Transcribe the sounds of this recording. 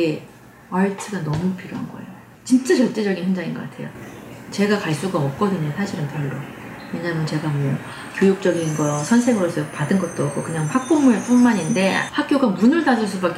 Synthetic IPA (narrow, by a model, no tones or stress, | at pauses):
e | aɭtʰɯɡanʌmupʰiɾjoɦanɡʌ̰e̞̰jo | t͡ɕint͡ɕ͈at͡ɕʌɭt͡ɕ͈e̞d͡ʑʌɡinhʌnd͡ʑaŋinɡʌk͈atʰe̞̰jo̰t͡ɕe̞ɡakaɭs͈uɡaʌp̚k͈ʌdɯɲosʰaɕʰiɾɯnpjʌɭːʌ | wje̞ɲamjʌnt͡ɕe̞ɡamwʌ | kʲjojuk̚t͡ɕ͈ʌɡinɡʌsʰʌnsʰe̞ŋɯɾos͈ʌpadɯnɡʌt̚t͈oʌk͈ʰokɯɲaŋpʰak̚p͈omɯɭp͈unmaɲinde̞hak̚k͈joɡamunɯɭtad͡ʑuɭs̬͈ubak